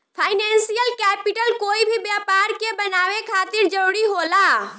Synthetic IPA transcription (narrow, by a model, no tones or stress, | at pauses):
pʰaːɪnɛ̃ːnsijəlkɛːpɪʈəlkoːibʱibjaːpaːɾkebənaːʋekʰaːt̪ɪɾd͡ʒəɾuːɽiɦoːlaː